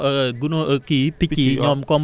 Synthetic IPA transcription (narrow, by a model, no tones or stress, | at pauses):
ʔəɡunoʔəkipikiɲɔmkɔm